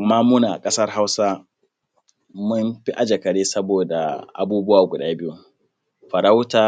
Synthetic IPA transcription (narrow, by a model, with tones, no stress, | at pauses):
ʔa˨mːaː˦mʊ˦naː˨kʼɐ˦sɐ˦rɦa˦wsa˦ | mʊ˦mɸi˦ʔa˨d͡ʒe˨kɐ˨ɽeː˦sɐ˦boː˨da̰˨ʔa̰˨buː˦bʊ˦waː˨ɡʷʊ˨ɗaː˦bɪ˦ju˦ | ɸɐ˨ɾa˦wtaː˨˦